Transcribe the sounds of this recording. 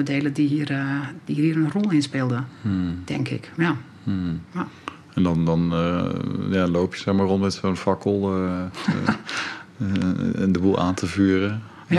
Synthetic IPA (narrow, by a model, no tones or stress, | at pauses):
ədeːlədiɦiərd̥ihiːəɾənrɔlˠɪnspɪlˠdətʰɛŋkʰɪ̰ka | a | ɛndɔndɔn | jalowpʰjəsɛxmaːronmɛtsoənfakəlˠ | ndəbulˠʔaːntʰəvyːərə